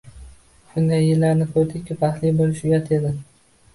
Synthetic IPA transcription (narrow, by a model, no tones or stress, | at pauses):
ʃʊnd̪ajːɪlːaɾnɪkʰɵɾd̪ɪkʲkʲɪpahlijbolɪʃʊjat̪ʰed̪ɪ